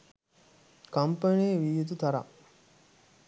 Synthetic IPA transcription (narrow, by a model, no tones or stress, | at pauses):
kɐmpɐneːʋijet̪ut̪ɐɾa̰